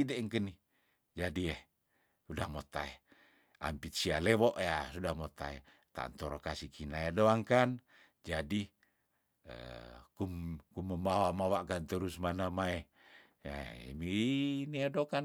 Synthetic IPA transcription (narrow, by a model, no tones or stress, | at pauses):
ideʔŋkəni | d͡ʒadieh | udahmot̪a̰e | a̰mpit̪̚sialewɔʔjasudahmot̪a̰ḛ | t̪a̰nt̪ɔɾokasikʰinajadoaŋkan | d͡ʒadi | ə̰kumkuməmbawamawaʔkant̪əɾusmanamae | a̰miiniadokan